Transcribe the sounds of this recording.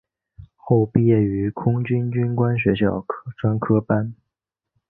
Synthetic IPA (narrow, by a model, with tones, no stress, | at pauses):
xo˥˧ʊpi˧jɛ˥˩y˧˥kʰʊ˥ŋt͡ɕy˥nt͡ɕy˥nkwa˥nɕ̬ɥɛ˧˥ɕjɑ˥˩ʊʈ͡ʂwa˥nkʰɤ˥pa˥n